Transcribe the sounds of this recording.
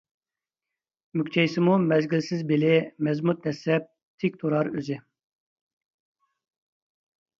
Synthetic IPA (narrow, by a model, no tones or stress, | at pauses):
mykʲt͡ʃ̪ʰɛjsɪmumɛzɡʲilsɪzbɪlɪmɛzmut̪̚nɛsɛp̚ | t̪ʰɪk̚ʲt̪ʰoɾɑɾøzɪ